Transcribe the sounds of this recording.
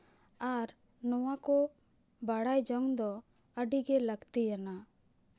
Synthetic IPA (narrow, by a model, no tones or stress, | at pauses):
aɾ | nɔwakɔ | baɽajd͡ʒɔŋd̪ɔ | əɖiɡɛləɡt̪ijana